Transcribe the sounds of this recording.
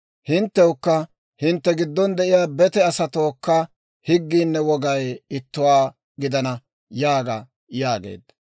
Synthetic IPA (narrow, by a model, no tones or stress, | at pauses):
hɪnt̪ːɛʊkːɐ | hɪnt̪ːɛɡɪd̪ːɔnd̪ɛʔɪjaːbɛt̪ɛɐsɐt̪oːkːɐ | hɪɡːiːnːɛwɔɡɐjɪt̪ːʊwaː | ɡɪd̪ɐnɐ | jaːɡɐ | jaːɡḛːd̪ɐ